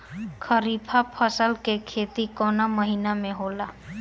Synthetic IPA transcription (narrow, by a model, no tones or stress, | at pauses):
kʰəɾiːpʰapʰəsəlkekʰeːt̪ikɔːnaməɦiːnamẽɦoːlaː